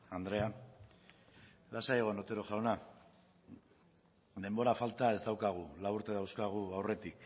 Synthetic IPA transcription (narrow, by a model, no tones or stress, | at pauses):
and̪ɾe̞an | lasaeɣ̞onot̪e̞ɾo̞ʝaona | d̪e̞mbo̞ɾafalt̪ae̞zd̪awkaɣ̞ulauɾt̪e̞ðawskaɣ̞uawre̞t̪ik